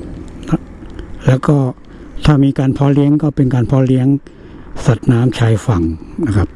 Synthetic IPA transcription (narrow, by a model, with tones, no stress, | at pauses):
na˦˥lɛː˦˥wkɔː˥˩ | t̪ʰaː˥˩miː˧kaː˧npʰɔː˦˥li˦˥əŋkɔː˥˩pe˧nkaː˧npʰɔː˦˥li˦˥əŋ | sa˨˩t̪̚naː˦˥mt͡ɕʰaː˧jfa˨˩ŋna˧˩kʰa˦˥p̚